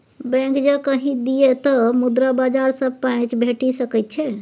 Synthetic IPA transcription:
bɛ̃kd͡ʒəkəɦĩd̪iet̪əmud̪ɾabad͡ʒaɾsəb̚pãt͡ʃbʱeʈisəkɛt̪̚t͡ʃʰɛ

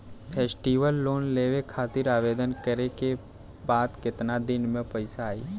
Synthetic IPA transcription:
pʰeːsʈiːʋəlːoːnleːʋekʰaːt̪ɪɾaːʋeːd̪ənkəɾeke | baːd̪kɪt̪nad̪ɪnmẽpəɪsaːḭː

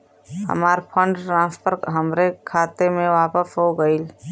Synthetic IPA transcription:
ɦə̰maːɾpʰə̃ɳɖʈɾãːspəɾkɦəmɾekʰaːt̪emẽʋaːpəsɦoɡəiːl

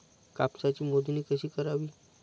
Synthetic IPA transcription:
kapsat͡ɕiːmod̪niːkəɕiːkəɾaʋiː

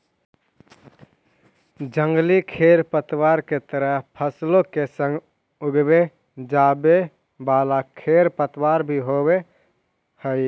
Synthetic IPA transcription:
d͡ʒəŋɡlikʰeːɾpət̪waːɾket̪əɾəɦpʰəslõkesə̃ŋɡ | ʊɡbe | d͡ʒaːbe | baːlakʰeɾpət̪waːɾbʱiɦowe | həj

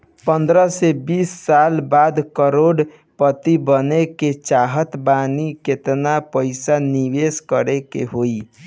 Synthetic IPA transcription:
pənd̪ɾəsebisːalbad̪kəɾoɖ | pət̪ibəneket͡ʃaɦət̪baniket̪napəɪsaniʋeskəɾekḛɦoi

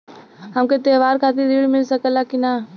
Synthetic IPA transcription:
ɦəmket̪eːʋaːɾkʰaːt̪̬iɾiːɽmɪlsəkəlakina

